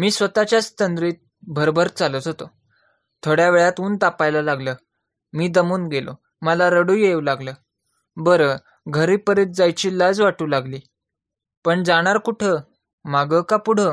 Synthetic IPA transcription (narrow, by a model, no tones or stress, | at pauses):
miːsʋət̪at͡ɕjat͡st̪ənd̪ɾiːt̪̚ | bʱəɾbʱəɾt͡salət̪ɦot̪o | t̪ʰoɽjaʋeɭjat̪uːnt̪apajlalaɡləː | miːd̪əmuːnɡelo̰ | məlaɾəɽujewlaɡləː | bəɾə | ɡʱəɾiːpəɾet̪̚d͡zajt͡ɕiːləd͡zʋaʈuːlaɡliː | pəɳd͡zaɽ̃aɾkuʈʰə | maɡəkapuɽ̤ə